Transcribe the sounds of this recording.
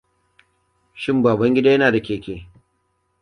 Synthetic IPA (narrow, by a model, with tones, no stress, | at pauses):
ʃɪ˦mbaː˨bɐ˦ŋɡʲɪ˦daː˦jɐ˦naː˨da˨kʲeː˨kʲeː˨